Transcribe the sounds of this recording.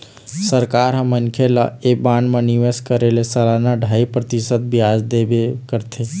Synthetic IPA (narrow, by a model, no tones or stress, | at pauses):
səɾkaɾɦəmənkʰela̰ebanmeniʋeskəɾelesəlanaɖʱaipɾət̪isət̪̚bʱiad͡ʒd̪ebekəɾt̪ʰe